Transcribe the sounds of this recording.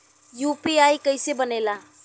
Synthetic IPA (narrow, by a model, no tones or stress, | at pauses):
jupiajkəjsebənela